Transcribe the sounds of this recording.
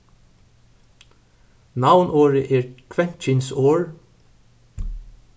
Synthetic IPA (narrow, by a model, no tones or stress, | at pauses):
nɑʋnʔoːɹəʔeːɹkʰʋɛnt̪t͡ʃɪnsoːɹ